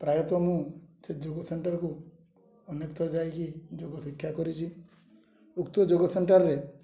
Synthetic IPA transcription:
pɾajɔt̪ɔmũsed͡ʒoɡɔseɳʈɔɾku | ɔnekt̪ɔd͡ʒajkid͡ʒoɡɔsikʰːjakɔɾit͡ʃʰi | ukt̪ɔd͡ʒoɡɔseɳʈaɾːe

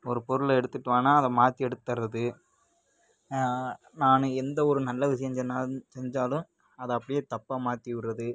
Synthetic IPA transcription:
ɔɾɯpɔɾɯlɛɽɯt̪ːɯʈːɯʋaːnaːɐðɐmaːt̪iɛɽɯt̪ːɐɾɐðɯ | naːnɯɛnd̪ɐɔɾɯnɐlːɐʋɪʂɐjɐɲd͡ʒɛnːaːsɛɲd͡ʒaːlɯ̃ | ɐðɐɐpːɐɽɪjeːt̪ɐpːaːmaːt̪iʋɪɾːɐðɯ

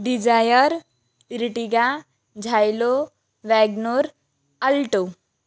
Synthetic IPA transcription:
ɖid͡ʒajəɾ | ɾiʈiɡa | d͡ʒʱajlo | ʋɛɡnoɾ | ɐlʈo

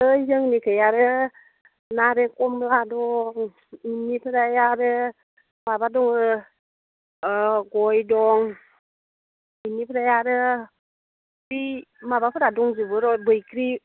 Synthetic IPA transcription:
ɯzɯŋnikʰəjaɾɯ | naɾeŋkʼɔmladɔŋ | inipʰɯɾajaɾɯ | mabadɔŋɯ | ɡɔjdɔŋ | inipʰɾajaɾɯ | bimabapʰɯɾadɔŋzɯbɯɾɔbɯjkʰɾi

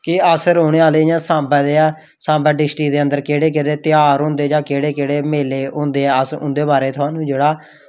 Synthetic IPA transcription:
kɪəsɾoːɽ̃eːaːleːjãːsãːbɛːd̪eːɛː | sãːbɛːɖɪsʈiːd̪eːənd̪əɾkeːɽeːk̬eɽeːt̪ɪjaːɾɦʊ̃ːnd̪eːd͡ʒãːkeːɽeːkeːɽeːmeːleːɦõːnd̪eːɛːəsʊ̰̃nd̪eːbaːɾeːt̪ʰʊãːnũːd͡ʒeːɽaː

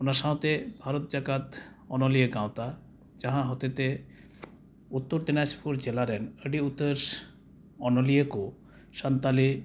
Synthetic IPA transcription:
onaʃãõt̪ebʱaɾot̪̚d͡ʑakat̪ | ɔnolieɡãwt̪a | d͡ʑaɦãɦɔt̪et̪e | ut̪ːoɾd̪inaspʰuɾd͡ʑelaɾɛnəɖiut̪ːəɾʃ | ɔnolieko | ʃant̪ali

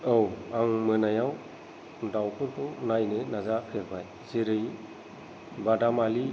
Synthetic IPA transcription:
owaŋmɯnajaw | dawkʰɔntɔnajnɯnazapʰebaj | zeɾɯj | badamali

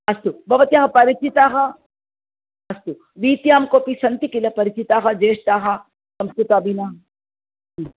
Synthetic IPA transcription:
ɐst̪ubʱɐʋɐt̪jaːɦɐpɐɾit͡ʃit̪aːɦɐ | ɐst̪u | ʋiːt̪jaːmkoːpisɐnt̪ikilɐpɐɾit͡ʃit̪aːɦɐd͡ʒeːʃt̪aːɦɐ | sɐmskɾut̪aːbinaɦɐ

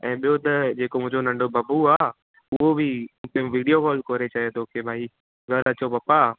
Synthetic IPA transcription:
ɛ̰̃ːɓijot̪ɐd͡ʒeːkomʊ̃ɦɲd͡ʒonɐ̃ɳɖobɐbuaː | ʊɦobʱĩkeʋiːɖijokɔːlkoːɾet͡ʃaːɦet̪ʰokebʱaːi | ɡʱɐɾɐt͡ʃopɐpːa

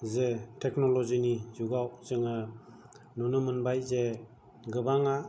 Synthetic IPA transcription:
zetʰeknɔlɔzinizuɡawzɯŋa | nunɯmɯnbajze | ɡɯbaŋa

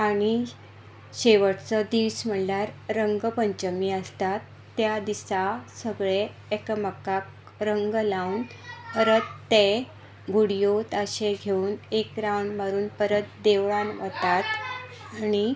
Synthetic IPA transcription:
aɽ̃i | ɕeʋəʈt͡səd̪iʋsm̤əɳljaɾːəŋɡpəɲt͡ɕəmiəst̪at̪ːjad̪isasəɡɭeː | kəməkak | ɾəŋɡlawnəɾət̪ːe | ɡuɽijot̪əɕeɡʱeuːnekɾawɳməɾuːnpəɾət̪̚d̪eʋɭãnʋət̪at̪ | añi

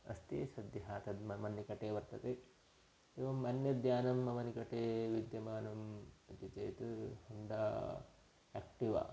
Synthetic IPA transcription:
ɐ̰st̪ḛsɐd̪jɐɦaːt̪ʰɐd̪mɐmɐnːikɐʈeːʋɐɾt̪ɐt̪e | eːʋɐmɐnjɐd̪jaːnɐmːɐmɐnikɐʈeːʋid̪jɐmaːnɐmɐt̪it͡ʃɐjt̪ɨhɐɳd̪a | ek̚ʈiʋɐ̰

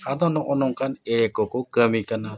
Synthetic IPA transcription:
ad̪ɔnɔʔɔnɔŋkʰanɛɾɛkɔkɔkəmikana

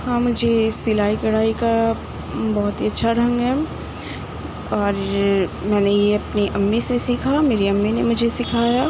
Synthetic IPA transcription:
ɦãːmʊd͡ʒʱesɪlaːikɐɽaːika | bɔːʊt̪ɦiɐtːʃʰaɾɐ̃ŋɡɦɛː | ɔːɾmɛ̃ːnejeɐpniʔɐmːisesiːkʰameːɾiɐmːinemʊd͡ʒʱesɪkʰaːjaː

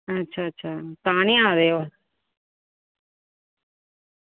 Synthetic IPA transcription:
ətːʃʰaːtːʃʰaːt̪aːɳĩːãːɾeːoː

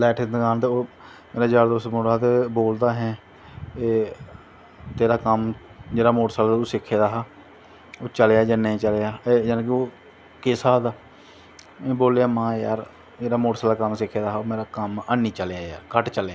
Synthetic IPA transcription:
lɛːʈʰɪnd̪kaːnt̪eːoː | meːɾaːd͡ʒaːɽd̪osmoːɽaːt̪eboːld̪aːɦɛ̃ː | eː | t̪eːɾaːkəmd͡ʒeːɽaːmoːʈsalaːuːsɪkʰːeːd̪aːɦaː | oːt͡ʃəljaːd͡ʒaːneːiːt͡ʃəleaːed͡ʒɛːnːk̬ɪoː | kɪsaːd̪aː | ẽːboːlejaːmãːja̰ːɾ | d͡ʒeːɽaːmoːʈsaːlaːkəmsɪkʰːeːd̪aːɦoːmeːɾaːkəmənːiːt͡ʃəlejaːja̰ːɾkəʈt͡ʃəljaː

